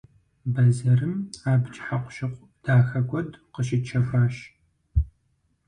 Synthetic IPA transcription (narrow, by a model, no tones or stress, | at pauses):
bɐzɐrɨmaːbt͡ʃʼħaqʷʊʃɪqʷʼ | d̥aːxɐɡʷɔdqəʃɪt͡ʃʰɐfʷaːʃ